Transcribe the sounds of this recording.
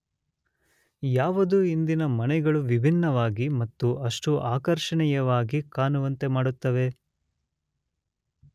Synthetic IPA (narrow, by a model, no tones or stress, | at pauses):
jaːʋɐd̪uind̪inɐmɐnɛɡɐɭuʋibʱinːɐʋaːɡimɐt̪ːuɐʂʈuʔaːkɐɾʂɐɳɛjɐʋaːɡikaːnuʋɐnt̪e̞maːɽut̪ːɐʋe̞